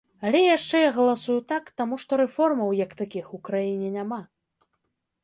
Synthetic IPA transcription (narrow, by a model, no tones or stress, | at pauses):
alʲɛjaʂt͡ʂɛjaɣɐlˠasujut̪akt̪amuʂt̪ɔɾɛfɔrmɐwjɐkt̪akʲixukɾajinʲɛnʲama